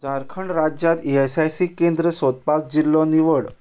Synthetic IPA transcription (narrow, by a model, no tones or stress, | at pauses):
d͡zaɾkʰəɳɾad͡ʑjat̪iesajsikend̪ɾəsot̪̚pak̚d͡ʑilːɔniʋəɽ